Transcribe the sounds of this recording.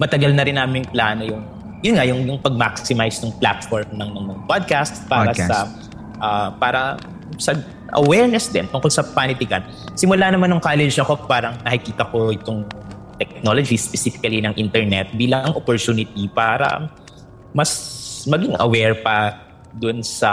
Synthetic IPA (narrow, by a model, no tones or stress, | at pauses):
mɐt̪ɐɡɐlnɐɾɪnːaːmɪjŋplaːno̞jʊŋ | jʊnŋajʊŋjʊŋpɐɡ̚maksɪmajsnɐŋpla̰t̪foɹmnɐŋmɐŋmɐŋapad̪̚kast̪paːɾɐsɐ | ʔɐpaːɾɐ | sɐ | ʔɐ̰wɛɹnɛsd̪ɛnt̪ʊŋkolsɐpanɪt̪ɪkɐn | sɪmʊlanɐmanːʊŋkaːlɛd͡ʒɐkopaːɾɐŋnɐkɪkiːt̪ɐko̞ɪt̪oŋt̪ɛk̚no̞lod͡ʒispɛsifɪ̥kɐlinɐŋʔint̪ɛɹnɛt̪̚biːlɐŋʔopoɹt̪uːnɪt̪ipaːɾɐ̰ | mɐsmɐɡɪŋʔɐ̰wɛɹpɐ | d̪ʊnsɐ